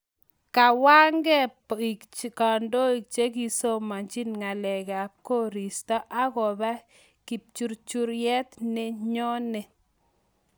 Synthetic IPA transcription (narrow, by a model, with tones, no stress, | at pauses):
ka˨wa˦ŋɡɛ˦˨ | ka˨ndo˦i˨k̚t͡ʃe˦k̬i˦so˦ma˨ɲt͡ʃi˦nŋa˨lɛ˨ka˨p̚ko˦ɾi˨stɔ˦ʔa˦ɣɔ˨ba˦ | ki˨p̚t͡ʃu˦ɾt͡ʃu˦ɾjɛ˦tnɪ˦ɲɔ˦nɪ˨